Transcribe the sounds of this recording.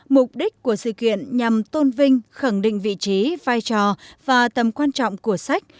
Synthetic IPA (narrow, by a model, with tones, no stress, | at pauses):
mʊ˨˩k͡p̚ɗi˦˥k̟̚ku˧˩əsɨ̰˧˨kḭ˧˨ənɲa˨˩mt̪o˧nvï˧ŋ̟xa˧˩ŋɗḭ̈˧˨ŋ̟vḭ˧˨t͡ɕi˨˦vaː˧jt͡ɕɔ˨˩vaː˨˩t̪ə˨˩mkwaː˧nt͡ɕɔ̰˧˨wŋ͡mku˧˩əsa˦˥jk̟̚